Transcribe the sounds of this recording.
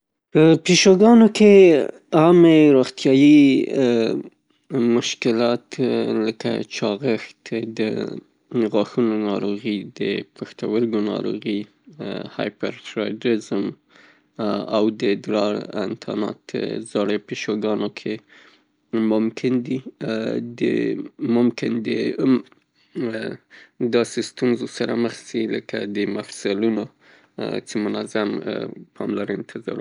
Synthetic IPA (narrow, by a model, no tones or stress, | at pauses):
pəpiʃoɡɑnoke | ɑmeɾoxt̪jɑji | mʊʃkɪlɑt̪ləka̰t͡ʃɑɣəxt̪d̪ə̰ | ɣɑxunonɑɾoɣid̪ə̰pəxt̪awəɾɡonɑ̰ɾo̰ɣi | hɑ̰jpa̰ɾtɾɑ̰jdɾɪzm | a̰wd̪əd̪ɾɑɪ̰nt̪ʰɑ̰nɑ̰t̪ə̰zɑɽəpəʃoɡɑnokʰe | mʊmkʰɪnd̪i | d̪ə̰mʊmkɪnd̪ə | d̪ɑsest̪unzosaɾaməxsiləkad̪əmafsaluno | t͡ʃemʊnazampʰɑmlaɾənt̪ʰɪzɑ̰ɾ